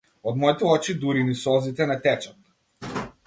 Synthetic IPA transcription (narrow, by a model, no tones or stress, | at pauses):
ɔd̪mɔit̪ɛɔt͡ʃid̪uɾinisɔzit̪ɛnɛt̪ɛt͡ʃat̪